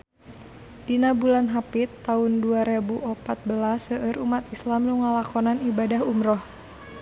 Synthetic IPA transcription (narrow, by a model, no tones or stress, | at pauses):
dinabulanɦapit̪ːaunduaɾebuʔɔpat̪̚bəlasəʔəɾumat̪islamluŋalakɔnanibadaɦumɾɔh